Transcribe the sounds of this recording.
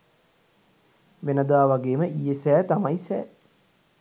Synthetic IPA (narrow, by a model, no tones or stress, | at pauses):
ʋenəd̪aːʋaɡeːməʔijesɛːt̪amajisɛ̰ː